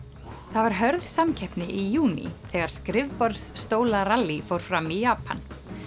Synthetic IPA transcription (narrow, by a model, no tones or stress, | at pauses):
θavaɾ̥ɦœɾðsamcʰɛhpnɪʔijuːnḭθɛːɣaɾ̥skɾɪvpɔɾðsːt̪oːwlaralːifowɾ̥fɾamijaːpʰa̰n